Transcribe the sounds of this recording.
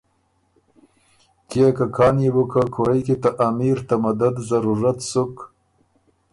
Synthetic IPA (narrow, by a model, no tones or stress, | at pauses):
kjekakʰɑːnjibukakʰuɾajkit̪aʔamiɾt̪amad̪ad̪zaɾuɾat̪suk